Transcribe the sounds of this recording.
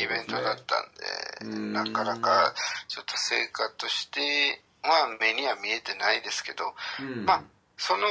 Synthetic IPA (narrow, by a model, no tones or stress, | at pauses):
ibẽ̞nt̪o̞d̪at̪ːã̰nd̪e̞̰nakanakat͡ɕo̞t̪ːose̞̰ːkat̪oɕi̥t̪e̞ | mame̞ɲ̟iβamʲie̞t̪e̞naid̪e̞sɨ̥ke̞d̪o̞ma | so̞no